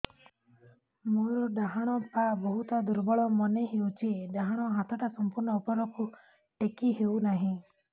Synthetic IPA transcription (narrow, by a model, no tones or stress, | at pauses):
moɾɔɖaɦaɽ̃ɔpabɔɦut̪ɔd̪uɾbɔɭɔmɔneɦewt͡ʃʰiɖaɦaɽ̃ɔɦat̪ʰɔʈasɔmpuɾnɔupɔɾɔku | ʈekiɦewnaɦĩ